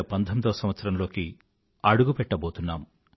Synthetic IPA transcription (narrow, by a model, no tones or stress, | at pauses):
ɐpɐnd̪ʰʱɐnd̪ɐːɐsɐmʋɐt̪sɐɾɐmlo̞ːki | ɐɽuɡupɛʈːɐboːt̪unːa̰ːm